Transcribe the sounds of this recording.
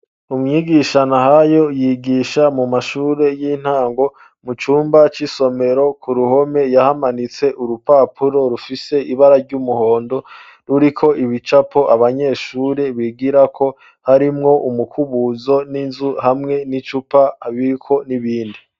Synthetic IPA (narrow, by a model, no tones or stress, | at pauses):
umŋiɡiʃanaɦajo̞jiɡiʃamumaʃuːɾe̞jiːn̥haːŋɡo̞ | mut͡ʃuːmbat͡ʃiso̞me̞ɾo̞kuɾuho̞me̞jahamanit͡se̞ʔuɾupaːpʰuɾo̞ɾufise̞ʔiβaɾaɾɟumuho̞ːndo̞ | ɾuɾikʰo̞ʔiβit͡ʃapʰo̞ʔaβaɲe̞ːʃuːɾe̞βiɡiɾakʰo̞ | haɾimŋo̞ʔumukʰuβuzo̞ninzuhamŋe̞nit͡ʃupaaβiɾikʰo̞niβiːndi